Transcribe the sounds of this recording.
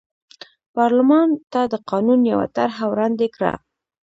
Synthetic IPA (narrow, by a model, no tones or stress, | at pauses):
pɑɾlʊmɑnt̪ad̪əqɑnunjawa̰t̪aɾɦawɾɑnd̪ekɽa̰